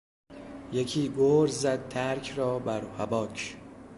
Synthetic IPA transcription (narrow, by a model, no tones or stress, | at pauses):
jekʰiːɡoːɾzæd̪̚t̪ʰæɾkʰrɒːbæɾhæbɒːcʰ